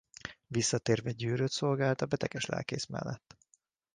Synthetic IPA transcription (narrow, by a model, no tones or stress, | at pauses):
visːɒt̪eːrvɛɟøːɾøt̪so̞lɡaːlt̪ɒbɛt̪ɛɡɛʃlɛ̰lkḛːsmɛ̰lːɛt̪ː